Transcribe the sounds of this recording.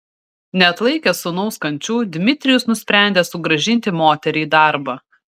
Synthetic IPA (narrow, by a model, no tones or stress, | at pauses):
nʲɛɐt̪lˠɐɪkʲɛsʊnɐʊskɐnʲt͡ʃʲuːd̪ʲmʲɪt̪ʲɾʲɪjʊsnʊsʲpʲɾʲæˑnʲd̪ʲeːsʊɡɾɐʒʲɪnʲt̪ʲɪmoːt̪ʲɛɾʲɛiːd̪ɑˑɾbɐ